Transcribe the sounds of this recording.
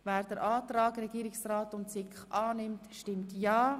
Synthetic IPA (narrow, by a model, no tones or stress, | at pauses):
vɛːɾd̥əɾʔɑːtrɑːɡrɛɡiːɾɪksraːtʊntsɪkχʔɑːnɪmtʃtɪmtjɑː